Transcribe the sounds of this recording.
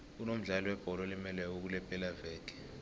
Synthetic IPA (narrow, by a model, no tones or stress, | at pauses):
unom̩ɮalɔwɛb̥ʱɔlɔlimɛlɛk̬uk̬ulɛpʼɛlavɛːɡ̥ʱʼɛ̥